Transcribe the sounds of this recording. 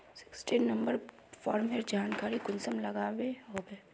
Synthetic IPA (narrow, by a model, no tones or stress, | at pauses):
sɪ̥ksʈiːnːɐ̃mbəɾ | fɔːɾmɦeɾd͡ʒaːnkaːɾikʊnsəmlɐɡaːʋeɦoːbeː